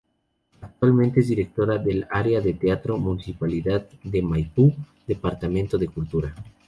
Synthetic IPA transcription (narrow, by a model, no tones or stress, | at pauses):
ak̚t̪walment̪eezðiɾe̞k̚t̪o̞ɾaðe̞laɾeaðe̞t̪eat̪ɾo̞munisipaliðaðd̪e̞majpu | d̪e̞paɾt̪amẽnt̪o̞ðe̞kult̪uɾa